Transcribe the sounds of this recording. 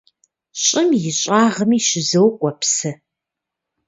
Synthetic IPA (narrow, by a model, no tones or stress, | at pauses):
ɕʼɪmjɪɕʼaːʁəmiːʃɪzɐwkʷʼɔpsɐ